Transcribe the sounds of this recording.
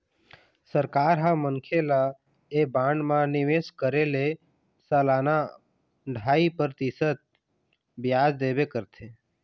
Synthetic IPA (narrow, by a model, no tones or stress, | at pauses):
səɾkaːɾɦãmənkʰela | ebãɳɖmãnɪʋeskəɾele | səlaːna | ɖʱaːipəɾt̪isət̪̚ | bjaːd͡ʒd̪ebekəɾt̪ʰe